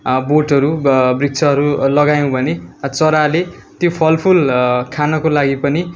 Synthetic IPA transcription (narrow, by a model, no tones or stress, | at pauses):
boʈʌɾubrik̚t͡sʰʌɦʌɾulʌɡajõbʱʌnet͡sʌɾale | t̪jopʰʌlpʰulkʰanʌkolaɡipʌni